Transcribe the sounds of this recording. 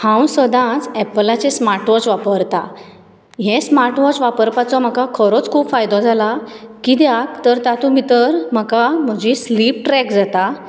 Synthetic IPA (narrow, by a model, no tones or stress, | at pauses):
hãwsəd̪ãt͡sɛplat͡sesmaɾʈʋɔt͡ɕʋapəɾt̪a̰ | ɦẽsmaɾʈʋɔt͡sʋapəɾpat͡sɔm̤akakʰəɾot͡skʰuːpfajd̪ɔd͡zʱalakid̪jak̚t̪əɾt̪at̪umit̪əɾm̤əkam̤əd͡ʑislip̚ʈɾɛkd͡zat̪a